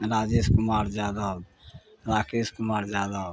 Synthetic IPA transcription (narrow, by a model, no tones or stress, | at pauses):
ɾaːd͡ʒeskumaːɾd͡ʒjaːd̪aɦob | ɾaːkeskʊmaːɾd͡ʒjaːd̪aɦo